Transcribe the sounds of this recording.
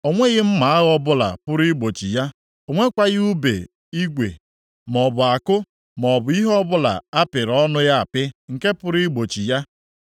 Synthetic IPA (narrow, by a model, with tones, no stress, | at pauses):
o˨ŋʷe˦ɣɪ˦m̩˦ma˨a˦ɣɔ˦bʊ˦la̰˨pʊ˦ɾi˦ɡ͡bo˨t͡ʃi˨ja˦ | o˨ŋʷe˦kʷa˨ɣɪ˦u˦bḛ˨ | i˦ɡʷḛ˨ | m˨ɔ˨bʊ˨a˨kʊ˦ | mɔ˨bʊ˨i˦ɦɔ˦bʊ˦la̰˨a˦pɪ˨ɾɔ˦nʊ˦ja˦a˨pɪ˦ŋ̩˨ke˦pʊ˦ɾi˦ɡ͡bo˨t͡ʃi˨ja˦